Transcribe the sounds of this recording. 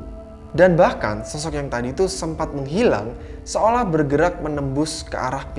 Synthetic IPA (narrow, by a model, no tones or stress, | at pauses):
danbahka̰nsɔsɔk̚jaŋt̪adiːt̪usəmpat̪̚məŋɦila̰ŋ | səolahbərɡəɾak̚mənəmbʊskə̰ʔa̰ɾahp